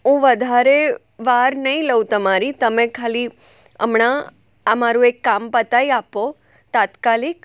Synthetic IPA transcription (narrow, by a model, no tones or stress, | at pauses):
ɦũʋəd̪ʱaɾe | ʋaɾnəĩləʋũt̪əmaɾit̪əmẽkʰali | ə̰mɳa | əmaɾũekːampət̪aiapo | t̪at̪kalik